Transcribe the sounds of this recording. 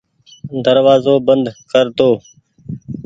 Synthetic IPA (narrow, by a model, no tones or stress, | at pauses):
d̪əɾʋaːzoːbənd̪kəɾt̪oː